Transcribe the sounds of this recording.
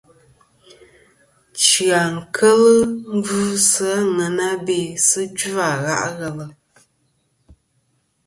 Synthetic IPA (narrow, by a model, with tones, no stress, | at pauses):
t͡ʃɰa˨ŋ̩˨kʰə˦lɨ˦m̩˦vuː˦sɨ˦a˦ŋɛ˨na˦be˨sɨ˦d͡ʒu˦a˨ɣa̰˦ʔɣɛ˨lə˨